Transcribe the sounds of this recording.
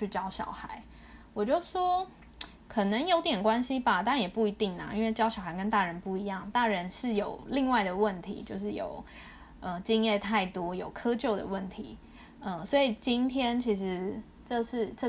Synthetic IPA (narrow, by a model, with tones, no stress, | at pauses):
t͡ɕʰy˥˩t͡ɕjɑ˥ʊɕjɑ̰˨˩ʊxa˧˦ɪ | wɔ˨˩t͡ɕjo˥˩ʊʂwɔ˥ | kʰɤ˨˩nə˨˦ŋjo˧˥ʊt̪jɛ˨˩nkwa˦nɕi˦ba˨t̪a˥˧njɛ˨˩pu˥˩i˧˥t̪i˥˩ŋla̰˩i˥nwe˥˩ɪt͡ɕjɑ˥ʊɕjɑ˨˩xa˧˥ɪkə˦nt̪a˥˩ɻə˧˦npu˥˩i˧˦jɑ˥˩ŋt̪a˥˩ɻə˧˦nʂɻ̩˥˩jo˨˩ʊli˥˧ŋwa˥˩ɪd̪ə˩wə˥˨nt̪ʰḭ˧˥˦t͡ɕjo˥˧ʊʂ̬ɻ̩˥˩jo̰˨˩ʊ | ə˧˩t͡ɕi˥njɛ˥˧t̪ʰa˥˩ɪt̪wɔ˥jo˨˩ʊkʰɤ˥t͡ɕjo˥˩ʊd̪ə̰˩wə˥˩nt̪ʰḭ˧˥˦ | ə˧swɔ˧˥i˨˩t͡ɕi˥nt̪ʰjɛ˥nt͡ɕʰi˧˥ʂɻ̩˧˦ | ʈ͡ʂɤ˥˧ʂɻ̩˥˧ʈ͡ʂə˥˧˩